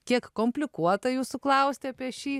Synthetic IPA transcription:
kʲiɛkkoːmʲpʲlʲɪkuɔt̪ɐjuːsʊklˠɐˑʊsʲt̪ʲɪɐpʲiɛʃʲiː

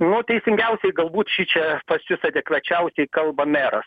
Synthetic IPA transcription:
nʊt̪ʲɛɪsʲɪŋʲɡʲɛʊsʲɛɪɡɐlˠbuːt̪ʃʲiːt͡ʃʲɛpɐsʲʊsɐd̪ʲɛkʋʲɛt͡ʃʲɛʊsʲɛɪkɐlˠbɐmʲæːɾɐs

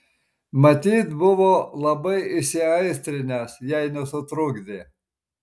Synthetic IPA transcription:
mɐt̪ʲiːt̪bʊʋoːlˠɐbɐɪɪsʲɪɐɪsʲt̪ʲɾʲɪnʲesjɛɪnʲɛsʊt̪ɾʊɡd̪ʲe

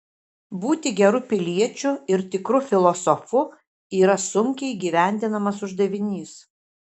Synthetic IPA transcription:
buːt̪ʲɪɡʲɛɾʊpʲɪlʲiɛt͡ʃʲʊɪɾt̪ʲɪkɾʊfʲɪlˠɔsɔfʊ | iːɾɐsʊŋʲkʲɛɪiɡʲiːʋʲæˑnʲd̪ʲɪnɐmɐsʊʒd̪ɐʋʲɪnʲiːs

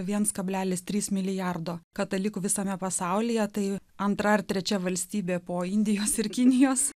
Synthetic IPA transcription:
ʋʲiɛnskɐbʲlʲæːlʲɪst̪ʲɾʲiːsmʲɪlʲɪjɑrd̪oːkɐt̪ɐlʲɪkʊʋʲɪsɐmʲɛpɐsɑˑʊlʲɪjɛt̪ɐɪɐnt̪ɾɐɪrt̪ʲɾʲɛt͡ʃʲɛʋɐlʲsʲt̪ʲiːbʲeːpoːɪnʲd̪ʲɪjoːsɪɾkʲɪnʲɪjoːs

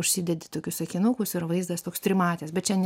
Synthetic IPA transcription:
ʊʃʲsʲɪd̪ʲɛd̪ʲɪt̪oːkʲʊsɐkʲɪnukʊsɪɾʋɐɪzd̪ɐst̪oːkst̪ʲɾʲɪmɑːt̪ʲeːsbʲɛt̪t͡ʃʲɛnʲ

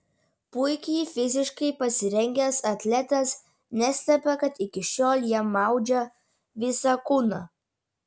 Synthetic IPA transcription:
pʊɪkʲɛːfʲɪzʲɪʃkɐɪpɐsʲɪɾʲɛŋʲɡʲɛsɐt̪ʲlʲɛt̪ɐs | nʲæsʲlʲɛpʲɛkɐt̪ɪkʲɪʃʲoːlʲˠjiɛmɑˑʊd͡ʒʲɛ | ʋʲɪsɐkʊnɐ

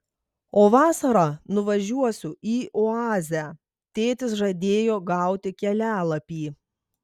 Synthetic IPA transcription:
oːʋɑːsɐɾɑnʊʋɐʒʲuɔsʲʊiːʔɔɑːzʲæ | t̪ʲeːt̪ʲɪsʒɐd̪ʲeːjoːɡɑˑʊt̪ʲɪkʲɛlʲæːlˠɐpʲiː

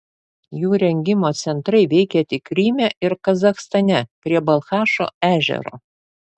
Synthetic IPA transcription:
juːɾʲɛŋʲɡʲɪmoːt̪sʲɛnt̪ɾɐɪʋʲɛɪkʲɛt̪ʲɪkɾʲiːmʲɛʔɪɾkɐzɐxst̪ɐnʲɛpʲɾʲiɛbɐlˠxɑːʃo̰ːæːʒʲɛ̰ɾo̰ː

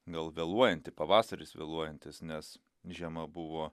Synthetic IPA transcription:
ɡɐlˠʋʲeːlˠuɔjɛnʲt̪ʲɪpɐʋɑːsɐɾʲɪsʋʲḛlˠuɔjɛnʲt̪ʲɪsnʲɛs | ʒʲiɛmɐbʊʋoː

